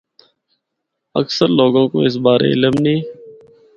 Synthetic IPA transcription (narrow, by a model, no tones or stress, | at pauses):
ə̰ksəɾloːɡõːko̰ɪs̬baːɾḛːɪləmnĩː